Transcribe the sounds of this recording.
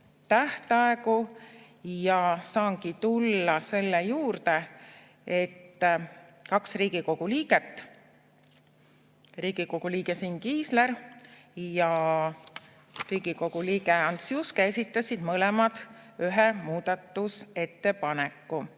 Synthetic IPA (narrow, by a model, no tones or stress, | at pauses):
t̪æht̪ɑe̞ku | jɑsɑːŋkit̪ulːɑse̞lːejuːrt̪e̞ | e̞t̪ːkɑksriːɡ̥iko̞ɡ̥uliːɡ̥e̞t̪ːˑ | riːɡ̥iko̞ɡ̥uliːɡ̥e̞siːnkiːsle̞r | jɑ | riːɡ̥iko̞ɡ̥uliːɡe̞ɑnt̪sjuskesit̪ˑːɑsid̪̥mɤlemɑd̪̥yɦɛmuːd̪̥ɑt̪ːˑuse̞t̪ːe̞pɑnekːˑu